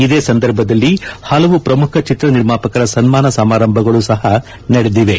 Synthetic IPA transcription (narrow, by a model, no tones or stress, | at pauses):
id̪eːsɐnd̪ɐɾbʱɐd̪ɐlːihɐlɐʋupɾɐmukʰɐt͡ʃit̪ɾɐniɾmaːpɐkɐɾɐsɐnmaːnɐsɐmaːɾɐmbʱɐɡɐɭusɐɦɐ | nɐɽed̪iʋe